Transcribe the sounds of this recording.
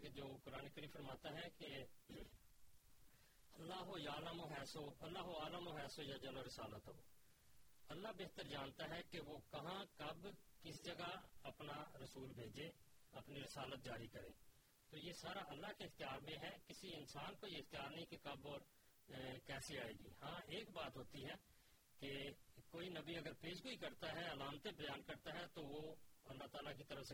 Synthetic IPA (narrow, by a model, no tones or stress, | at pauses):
ked͡ʒoːkʊɾaːneːkəɾiːmfʰəɾmaːt̪aɦɛke | əlːaːɦojaːləmoːɦɛːsoːɐlːaːɦoaːləmoːɦɛːsoːjad͡ʒəloɾɪsaːlət̪ɦoː | əlːabeːt̪əɾd͡ʒaːnt̪aːɦɛːkeʋoːkɐɦãːkəbkɪsd͡ʒəɡaəpnaɾəsuːlbʱeːd͡ʒeːɐpniɾɪsaːlət̪̚d͡ʒaːɾikɐɾḛ̃ː | t̪oːjesaːɾaʔɐlːaɦkeɪxt̪ijaːɾmẽɦɛkɪsiɪnsaːnkoːiɪxt̪ijaːɾnəɦĩkekɐbɔːɾ | kɛːsiaːeːɡḭːhãːeːkbaːt̪ɦoːt̪iɦɛː | kekoːinɐbiɐɡəɾpeːʃɡʊikɐɾt̪aɦɛɐlaːmt̪ebəjaːnkɐɾt̪aɦɛt̪oʋoɐlːat̪aːlakit̪əɾəfse